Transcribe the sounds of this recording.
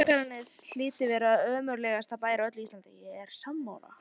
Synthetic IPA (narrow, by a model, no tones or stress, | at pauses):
akaɾɪnːɪsl̥ɪːt̪ɪvɛːɾaðœːmœɾlɛːɣast̪apaːjɾaœt̪lʏist̪ant̪ɪjɛɾ̥samːa̰wla̰